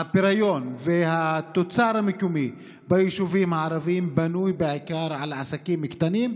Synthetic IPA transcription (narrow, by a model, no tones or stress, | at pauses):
apeɾajonvehat̪ot͡saɾhamɪkumi | bajiʃuvimaʕɾˤavimbanujbeʕikaːɾˤʕalʕasakiːmːɪkt̪aniːm